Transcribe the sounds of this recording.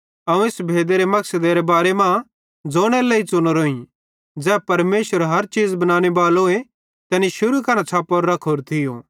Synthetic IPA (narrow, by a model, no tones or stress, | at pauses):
ɐũesbʱeːd̪eɾemɐksəd̪eɾebaːɾemã | d͡zoːɽ̃elɐit͡sʊñoɾoːĩ | d͡zɛːpɐɾmeːʃʋəɾɦɐɾt͡ʃiːd͡zbɐnãːñebaːloːe | t̪ɛːniʃʊɾukɐnãt͡sʰaːpoɾːɐkʰoːɾt̪ʰɪjoː